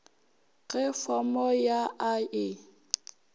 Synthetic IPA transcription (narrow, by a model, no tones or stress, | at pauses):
ɣɛfɔmɔjaʔaɪ